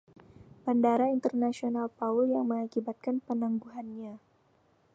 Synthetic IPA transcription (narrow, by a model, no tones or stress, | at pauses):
b̥andaɾaint̪ərnasionalpauljaŋməŋakibat̪̚kanpənaŋɡuɦanɲa